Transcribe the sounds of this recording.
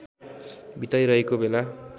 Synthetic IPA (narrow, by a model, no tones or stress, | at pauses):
bit̪ajɾʌɦekobela